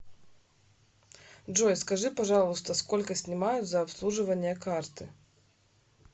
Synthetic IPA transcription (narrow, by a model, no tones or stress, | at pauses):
ʐojskɐʐɨpɐʐalˠʊst̪ɐskolʲkəsʲnʲɪmajʊd̪zɐːpslˠuʐɨvɐnʲɪjɐkart̪ɨ